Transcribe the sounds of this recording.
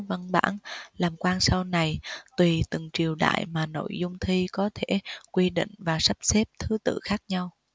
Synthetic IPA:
və˧nɓa̰ː˧˥nlaː˨˩mkwaː˧nsa˧wna˨˩jt̪wi˨˩t̪ɨ˨˩ŋt͡ɕi˨˩əwɗa̰ː˧˨jmaː˨˩no̰˧˨jzʊ˧ŋ͡mt̪ʰi˧kɔ˨˦t̪ʰe˧˩kwi˧ɗḭ̈˧˨ŋ̟vaː˨˩sa˦˥p̚sɛ˦˥p̚t̪ʰɨ˨˦t̪ɨ̰˧˨xaː˦˥k̚ɲa˧w

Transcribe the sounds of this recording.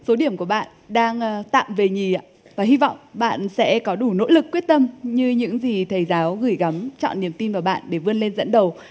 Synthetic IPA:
so˨˦ɗi˧˩əmku˧˩əɓa̰ː˧˨nɗaː˧ŋː˧t̪a̰ː˧˨mve˨˩ɲi˨˩a̰ː˧˨ | vaː˨˩hi˧vɔ̰˧˨wŋ͡mɓa̰ː˧˨nsɛ̰˧˥kɔ˨˦ɗu˧˩no̰˧˥lɨ˨˩k̚ːi˦˥ət̚t̪ə˧mɲɨ˧ɲɨ̰˧˥ŋzi˨˩t̪ʰə˨˦jzaː˨˦wɣɨ˧˩jɣa˨˦mt͡ɕɔ̰˧˨nːi˨˩əmt̪i˧nvaː˨˩wɓa̰ː˧˨nɗe˧˩vɨ˧ənle˧nzə̰˧˥nɗə˨˩w

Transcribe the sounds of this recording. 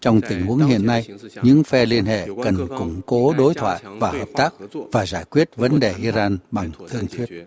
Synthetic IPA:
t͡ɕɔ˧wŋ͡mt̪ï˨˩ŋ̟hu˨˦əŋɦḭ˧˨ənːa˧jɲɨ̰˧˥ŋfɛ˧li˧ənhḛ˧˨kə˨˩nkʊ̰˧˩ŋ͡mko˨˦ɗo˨˦jt̪ʰwa̰ː˧˨jvaː˨˩həː˨˩p̚t̪aː˦˥k̚vaː˨˩zaː˧˩jkwi˦˥ət̚və˨˦nɗe˨˩ʔi˧zaː˧nɓa˨˩ŋt̪ʰɨ˧əŋt̪ʰwi˦˥ət̚

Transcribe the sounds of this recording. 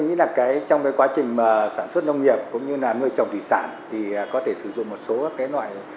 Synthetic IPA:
ŋḭ˧˥laː˨˩kaː˨˦jt͡ɕɔ˧wŋ͡mkaː˨˦jkwaː˨˦t͡ɕï˨˩ŋ̟maː˨˩saː˧˩nswə˦˥t̚nə˧wŋ͡mŋi˨˩əp̚kʊ̰˧˥ŋ͡mɲɨ˧laː˨˩nɨ˧əjt͡ɕə˨˩wŋ͡mt̪ḭ˧˨saː˧˩nt̪ʰi˨˩˨kɔ˨˦t̪ʰe˧˩sɨ˧˩zʊ̰˧˨ŋ͡mmo˨˩t̚so˨˦kaː˨˦jlwa̰ː˧˨j

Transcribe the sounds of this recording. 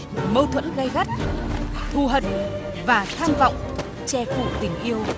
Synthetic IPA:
mə˧wt̪ʰwə̰˧˥nɣa˧jɣa˦˥t̚t̪ʰu˨˩ɦə˨˩t̚ | vaː˨˩t̪ʰaː˧mva̰˧˨wŋ͡m | t͡ɕɛ˧fṵ˧˩t̪ï˨˩ŋ̟ʔi˧əw

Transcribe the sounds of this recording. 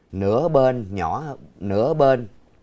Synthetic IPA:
nɨ̰˧˥əɓe˧nɲɔ˧˩nɨ̰˧˥əɓe˧n

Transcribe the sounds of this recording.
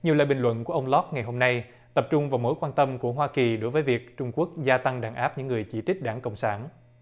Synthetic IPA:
ɲi˨˩əwla̰ː˧˨jɓï˨˩ŋ̟lwə̰˧˨nku˧˩əʔə˧wŋ͡mlɔ˦˥k̚ŋa˨˩jɦo˧mna˧j | t̪ə˨˩p̚t͡ɕʊ˧ŋ͡mvaː˨˩wmo˨˦jkwaː˧nt̪ə˧mku˧˩əɦwaː˧ki˨˩ɗo˨˦jvəː˨˦jvi˨˩ək̚t͡ɕʊ˧ŋ͡mku˦˥ək̚zaː˧t̪a˧ŋɗaː˧˩nʔaː˦˥p̚ɲɨ̰˧˥ŋːɨ˨˩əjt͡ɕi˧˩t͡ɕï˦˥k̟̚ɗaː˧˩ŋkə̰˧˨wŋ͡msaː˧˩n

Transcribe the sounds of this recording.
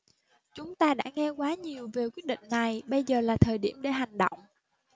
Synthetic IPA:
t͡ɕʊ˨˦ŋ͡mt̪aː˧ɗa̰ː˧˥ŋɛ˧kwaː˨˦ɲi˨˩əwve˨˩kwi˦˥ət̚ɗḭ̈˧˨ŋ̟na˨˩jɓə˧jzəː˨˩laː˨˩t̪ʰəː˨˩jɗḭ˧˩əmɗe˧˩ɦa˨˩jŋ̟ɗo̰˧˨wŋ͡m

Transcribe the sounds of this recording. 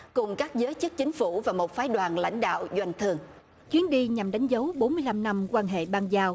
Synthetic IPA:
kʊ˨˩ŋ͡mkaː˦˥k̚zəː˨˦jt͡ɕɨ˦˥k̚t͡ɕï˨˦ŋ̟fu˧˩vaː˨˩mo˨˩t̚faː˨˦jɗwaː˨˩nla̰˧˥jŋ̟ɗa̰ː˧˨wzwa˧jŋ̟t̪ʰɨ˧˩əŋ | t͡ɕwi˨˦ənɗi˧ɲa˨˩mɗa˨˦jŋ̟zə˨˦wɓo˨˦nmɨ˧əjla˧mna˧mkwaː˧nɦḛ˧˨ɓaː˧nzaː˧w

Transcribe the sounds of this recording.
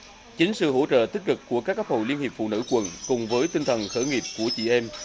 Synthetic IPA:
t͡ɕï˨˦ŋ̟sɨ̰˧˨ho̰˧˥t͡ɕə̰ː˧˨t̪i˦˥k̚kɨ˨˩kːu˧˩əkaː˦˥k̚ːa˦˥p̚ho̰˧˨li˧ənhi˨˩pfṵ˧˨nɨ̰˧˥kwə˨˩nkʊ˨˩ŋ͡mvəː˨˦jt̪i˧ŋt̪ʰə˨˩nxəː˧˩ŋi˨˩p̚ku˧˩ət͡ɕḭ˧˨ʔɛ˧m

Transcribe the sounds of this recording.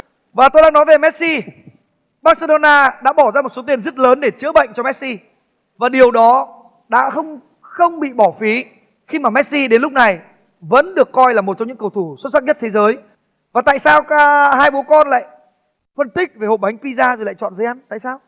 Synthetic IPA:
vaː˨˩t̪o˧jɗa̰ː˧ŋnɔ˨˦jve˨˩mɛ˦˥t̚si˧ | ɓaː˦˥t̚se˧ɗo˧naː˧ɗa̰ː˧˥ɓɔ˧˩zaː˧m˨˩t̚so˨˦t̪i˨˩ənzə˦˥t̚ləː˨˦nɗe˧˩t͡ɕɨ˧˥əɓə̰˧˨jŋ̟t͡ɕɔ˧mɛ˦˥t̚si˧ | vaː˨˩ɗi˨˩əwɗɔ˨˦ | ɗa̰ː˧˥xə˧wŋ͡m | xə˧wŋ͡mɓḭ˧˨ɓɔ˧˩fi˨˦ | xi˧maː˨˩mɛ˦˥t̚si˧ɗe˨˦nlʊ˦˥k͡p̚na˨˩j | və̰˧˥nɗɨ˨˩əkːɔ˧jlaː˨˩mo˨˩t̚t͡ɕɔ˧ŋ͡mɲɨ̰˧˥ŋkə˨˩wt̪ʰu˧˩sʊ˦˥t̚sa˦˥t̚ɲə˦˥t̪̚ʰe˨˦zəː˨˦j | vaː˨˩t̪a̰ː˧˨jsaː˧wkaː˦haː˧jɓu˨˦kɔ˧nla̰ː˧˨j | fə˧nt̪ï˦˥k̚ve˨˩ho̰˨˩ɓa˨˦jŋ̟pi˧zaː˧zo˨˩jla̰ː˧˨jt͡ɕɔ̰˧˨nzə˨˦jʔa˧nt̪a̰ː˧˨jsaː˧w

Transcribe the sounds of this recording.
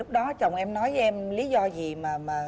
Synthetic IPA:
k̚ɗɔ˨˦t͡ɕə˨˩wŋ͡mʔɛ˧mnɔ˨˦jʔɛ˧mli˨˦zɔ˧zi˨˩maː˨˩maː˨˩

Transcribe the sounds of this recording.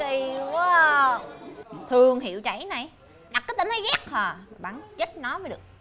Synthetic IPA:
i˨˩ka˨˦ | t̪ʰɨ˨˧˩əŋɦḭ˧˨əwt͡ɕa̰˧˩jna˨˩j | ɗa˨˩kːaː˨˦t̪əː˧˨˩nt̪ʰa˨˦jɣa˦˥k̚hɔː˨˩˨ɓa̰ː˧˨nzə˦˥t̚nɔ˨˦vəː˨˦jɗɨ˨˩ək̚

